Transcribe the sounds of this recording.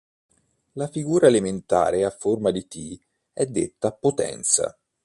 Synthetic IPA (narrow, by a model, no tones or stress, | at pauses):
lafiɡuːɾaelement̪a̰ːɾeafːormad̪it̪i | ɛd̪ːḛt̪ːapːot̪ɛ̰nt̪sa̰